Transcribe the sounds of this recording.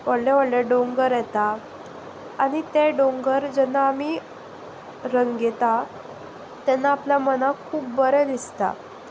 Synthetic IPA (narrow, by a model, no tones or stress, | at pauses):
ʋəɽlɛʋəɽlɛɖoŋɡəɾjɛt̪aː | ñit̪eɖoŋɡəɾd͡ʑɛnːaːmiː | ɾəŋɡɡɛt̪a | t̪ɛnːaːpljamənakʰuːp̚bəɾəd̪ist̪a̰